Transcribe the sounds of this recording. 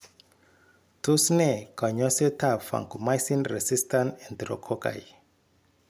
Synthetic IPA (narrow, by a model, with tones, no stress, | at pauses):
tu˦sne˨ka˨ɲɔ˦se˦tʰafã̰˨ŋku˨majsĩnrɛ˨si˦stã˦nɛ̃˨ndɾɔ̰˨kʰɔka̰˨j